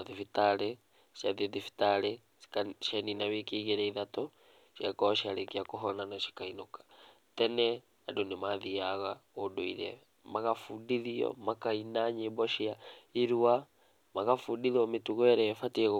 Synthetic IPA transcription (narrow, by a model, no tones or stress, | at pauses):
aðifitaɾe | ʃjaðiðifi̥taɾe̥ | aʃjaninaβekiɣeɾɛiðato | ʃjakɔʃiaɾekiakoɦɔnanaʃi̥kainokḁ | tɛnɛ | adonemaðiaɣaodoḭɾɛ̰ | maɣafudiðiɔ̰makainaɲembɔʃiaiɾua | maɣafudiðiɔmetuɣwɛɾɛfatiɛɣ